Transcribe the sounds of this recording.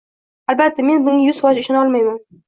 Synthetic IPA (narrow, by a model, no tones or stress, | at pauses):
albat̪ːame̞nbʊŋɪjʊzfɒʃɪʃɒnɒlˠmajman